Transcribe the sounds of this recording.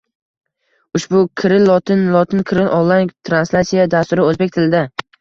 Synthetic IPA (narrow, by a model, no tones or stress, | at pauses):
ʊʃbʊkʲʰɪɾɪllˠɒt̪ʰɪnlˠɒt̪ʰɪnkʲʰɪɾɪlʔɒlˠːajt̪ʰɾanslʲat̪sijad̪ast̪ʊɾɪɵzbe̞kʲt̪ʰɪlɪd̪a